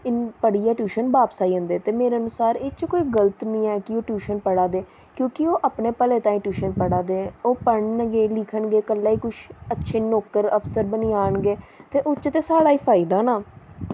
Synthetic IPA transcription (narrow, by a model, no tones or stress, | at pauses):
ɪnpəɽɪjaːʈjuːʃənbaːpsaːiːə̃nd̪eːt̪eːmeːɾeənʊsaːɾeːt͡ʃkoːiːɡələt̪nĩːɛːkɪoːʈjuːʃənpəɽaːd̪eː | kjõːkɪoːʔapneːpəleːt̪ãːĩːʈjuːʃənpəɽaːd̪eːoːpəɳɡeːlɪkʰəɳɡeːkəlːaːiːkʊʃətːʃʰeːnɔːkːəɾəpʰsəɾbəniːaːɳɡeːt̪eːʔot͡ʃt̪eːsaːɽaːiːpʰaːid̪aːnaː